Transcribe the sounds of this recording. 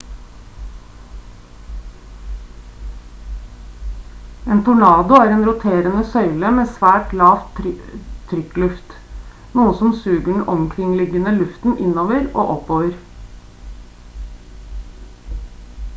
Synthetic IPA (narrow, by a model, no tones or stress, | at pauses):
eːnt̪ʰʊlɑːd̪ʊæːɾeːnɾʊt̪ʰeːɾənəsœʏləmeːsʋæːʈlɑːʋt̪ | t̪ʰɾʏklʉft̪ | nuːəsɔmsʉːɡəɖɳ̩ʔɔmkʰɾɪŋlɪɡənəlʉft̪n̩ʔɪnoːʋəɾo̰ːʔɔpoːʋəɾ